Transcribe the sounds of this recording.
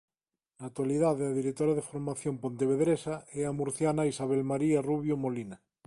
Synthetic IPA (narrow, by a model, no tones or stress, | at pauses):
nat̪waliðaðeaðiɾek̚t̪oɾaðefoɾmaθjompont̪eβeðɾesaeamuɾθjanaisaβ̞elmaɾiaruβ̞jomolina